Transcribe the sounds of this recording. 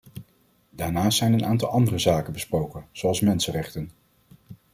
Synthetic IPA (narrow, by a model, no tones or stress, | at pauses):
daːnaːstsɛjnənaːntɑlˠɑndərəzaːkənbəsprowkənz̥oɑlˠsmɛnsərɛχtən